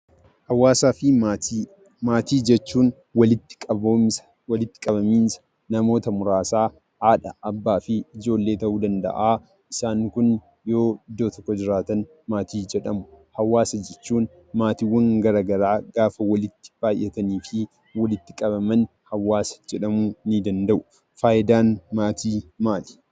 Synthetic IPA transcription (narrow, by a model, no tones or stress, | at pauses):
hɐwaːsaːfɪ | maːt̪iːd͡ʒɛt͡ʃːuːn | wɐlɪt̪ːɪ̥kʼɐbo | wɐlɪt̪ːɪ̥kʼɐβɐmiːnsɐ̥ | nɐmo̞ːt̪ɐmʊɾaːsaː | ʔaːᶑɐʔɐbːaːfɪɪd͡ʒo̞ːlːeːt̪ɐʔuːd̪ɐnd̪ɐ̰ʔaː | ʔɪsaːŋkʊn | jo̞ːɪd̪ːo̞ːt̪ɔkːɔd͡ʒɪɾaːt̪ɐn | maːt̪iːd͡ʒɛᶑɐmʊhɐwːaːsɐd͡ʒɛt͡ʃːuːn | maːt̪iwːɐŋɡɐɾɐɡɐɾaːɡaːfɐwɐlɪt̪ːɪ̥b̥aːj̰ːɛt̪ɐniːfɪ | wɐlɪt̪ːɪkʼɐβɐmɐn | hɐwːaːsɐ̥d͡ʒɛᶑɐmunid̪ɐnd̪ɐʔʊ | faːʔɪd̪aːnmaːt̪ʰiːmaːl̥